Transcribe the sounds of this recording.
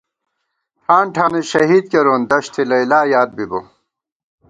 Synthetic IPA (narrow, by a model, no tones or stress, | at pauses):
hʰaːnʈʰaːneɕɐɦiːd̪̚keɾoːnd̪ɐɕt̪ʰilɐjlaːjaːd̪̚bibo